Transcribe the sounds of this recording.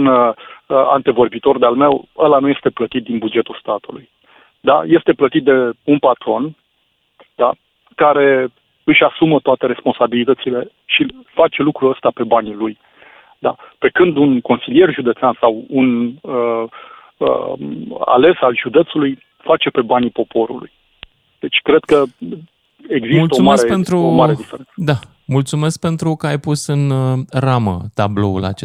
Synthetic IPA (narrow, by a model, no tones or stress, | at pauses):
un | a̰nt̪e̞vo̞rbit̪o̞rd̪ealme̞wəlanuje̞st̪e̞plət̪it̪̚d̪inbud͡ʒe̞t̪ulst̪at̪uluj | d̪a̰je̞st̪e̞plət̪it̪̚d̪e̞unpat̪ɾo̞n | d̪̥a | kaɾe̞ | ɨʃasumət̪oat̪e̞ɾe̞spo̞nsabilit̪ət̪sile̞ | ʃifat͡ʃe̞lukɾuəst̪ape̞banʲluj | d̪ape̞kɨnd̪unko̞nsilije̞rʒud̪e̞t̪seansawunə | ə̰ | a̰le̞salʒud̪e̞t̪suluj | fat͡ʃe̞pe̞banipo̞po̞ɾṵlṵj | d̪̥e̞t͡ʃʲkɾed̪kə | e̞ɡzismult̪əsoumasɾepent̪ɾuomaɾed̪ifeɾensəd̪a | mult̪sume̞sk̚pe̞nt̪ɾukəajpusɨnramə̰t̪ablo̞ṵla̰t͡ʃe